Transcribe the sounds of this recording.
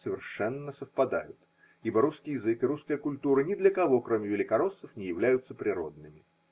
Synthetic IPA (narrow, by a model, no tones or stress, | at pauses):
səvʲɪrʂɛnːəsəfpɐd̪a̰jʊt̪ | ibəɾuskʲɪjɪzɨkɨɾuskəjəkʊlʲt̪uɾənʲɪd̪lʲəkɐvo̞kɾo̞mʲɪvʲɪlʲɪkɐɾo̞sːəfnʲɪjɪvlʲæjʊt̪səpɾʲɪɾo̞̰d̪̚nɨmʲɪ